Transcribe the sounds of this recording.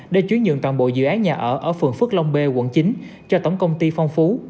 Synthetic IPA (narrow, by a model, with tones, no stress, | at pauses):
ɗe˧˩t͡ɕwi˨˦nɲɨ̰˧˨nt̪waː˧˨nɓo̰˧˨zɨ̰˧˨ʔaː˨˦ɲaː˨˩ʔəː˧˩ʔəː˧˩fɨ˨˩ŋfɨ˦˥ək̚lə˧wŋ͡mɓe˧ɣwə̰˧˨nt͡ɕi˨˦ŋ̟ | t͡ɕɔ˧t̪ə˧˩wŋ͡mkə˧wŋ͡mt̪i˧fɔ˧wŋ͡mfu˨˦